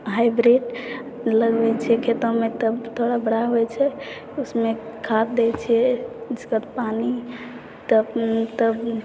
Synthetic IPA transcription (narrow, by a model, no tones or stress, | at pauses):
ɦajbɾiɖ | ləɡbɛt͡ʃʰɛkʰet̪əmet̪əbt̪ʰoɽabəɽaɦoɛt͡ʃʰɛ | usmekʰat̪̚d̪ɛt͡ʃʰɛd͡ʒəkət̪pani | t̪əbt̪əb